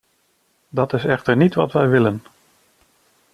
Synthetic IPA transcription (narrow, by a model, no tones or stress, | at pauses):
dɑtɪsɛχtəɹnitʋɑ̰tʋɛjʋɪlən